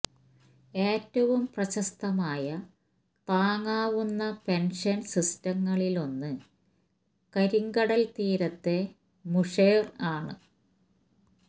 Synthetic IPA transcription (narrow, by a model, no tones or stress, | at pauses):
e̞ːtːɐʋumprɐɕɐst̪ɐmaːjɐ | t̪aːŋaːʋunːɐpe̞nʂɐnsistɐŋːɐɭilo̞nːɨ | kɐɾiŋɡɐɽɐlt̪iːɾɐt̪ːe̞ | muʂɐjraːɳɨ̰